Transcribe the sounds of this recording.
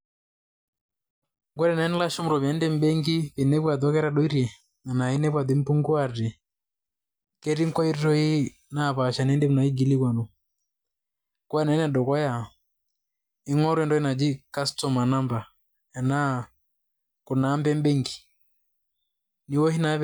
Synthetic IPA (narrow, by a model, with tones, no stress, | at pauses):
ŋɡwɛ˦ɾɛ˨na˨˦ni˦la˦ʃɔ˦m̩˨ɾɔ˨βja˨˦ndɛ˦m̩bɛ˦ŋɡi˦βi˨nɛ˦βwa˨ðɔ˦kɛ˦ɾa˦ɗɔ˦i˦ɾɛ˨ | na˨na˨i˦nɛ˦βwa˨ði˨˦m˦pu˦ŋɡwa˦˨rɛ˨ | kɛ˦ɾi˦ŋ̩˦kɔ˦i˦ɾi˦ɾɔ˦i˦ | na˦˨βa˨ʃa˨nɛ˨˦ndɛ˦mu˨na˨i˦ɡi˨li˦kwa˨nu˨ | kwa˦nɛ˨˦nɛ˨dɔ˨kɔ˦ja˨ | i˦ŋɔ˦ɾwɛ˦ndɔ˦i˦na˨d͡ʒi˦ka˦stɔ˨ma˨na˦mba˨ | ɛ˨na˦ | kɔ˨na˨˦mbɛ˦m˦bɛ˦ŋɡi̥˨ | ni˨wɔ˦ɦi˦na˨˦